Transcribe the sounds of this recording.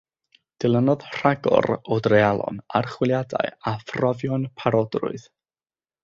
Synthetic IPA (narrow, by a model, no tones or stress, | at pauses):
d̥ɪlˠənɔðr̥aɡɔ̰ɾodrealˠɔ̰narχwɪlˠjada̰ɨafrɔvjɔnpʰaɾɔdrʊ̰ɨð